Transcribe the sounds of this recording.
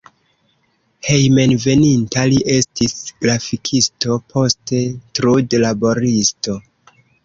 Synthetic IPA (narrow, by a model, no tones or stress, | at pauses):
he̞jme̞nve̞nintaliʔe̞stisɡɾafikʰisto̞pʰo̞ste̞tɾudlabo̞ɾisto̞